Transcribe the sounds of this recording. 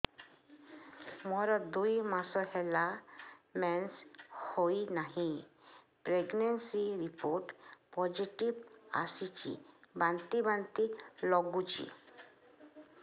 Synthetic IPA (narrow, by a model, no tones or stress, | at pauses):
mɔɾɔd̪ujmasɔɦɛlamɛnshoinaɦĩ | pɾeɡnensiɾipoɾʈpɔd͡ʑiʈiʋa̰sit͡ɕḭbãnt̪ibant̪ilɔɡut͡ɕḭ